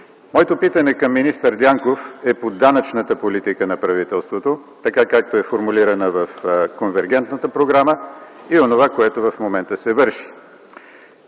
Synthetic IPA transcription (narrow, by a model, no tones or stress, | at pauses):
mɔjɛt̪opit̪ənɛkɐmːinist̪əɾd̪ʲjaŋkofɛpod̪anət͡ʃnət̪əpolit̪ikənɐpɾɐvit̪ɛlˠst̪vot̪o | t̪ɐkakak̚t̪oɛfoɾmuliɾənəvəfkonvɛɾɡ̟ɛnt̪nət̪əpɾoɡɾamə | ionovakoɛt̪ovɐfmomɛnt̪əsɛvɤɾʃi̥